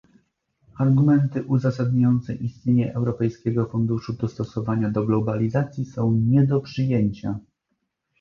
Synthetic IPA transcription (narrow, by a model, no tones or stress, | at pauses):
aɾɡumɛnt̪ɘʔuzasad̪ɲajɔnt̪sɛʔist̪ɲeɲɛʔɛwɾɔpɛjskʲɛɡɔfund̪uʂud̪ɔst̪ɔsɔvaɲad̪ɔɡlɔbalʲizat̪sʲjisɔ̃w̃ɲɛd̪ɔpʂɘjeɲt͡ɕa